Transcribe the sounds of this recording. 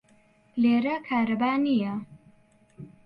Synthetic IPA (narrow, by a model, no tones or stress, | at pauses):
leːɾɐkʰaːɾɐbaːnijɐ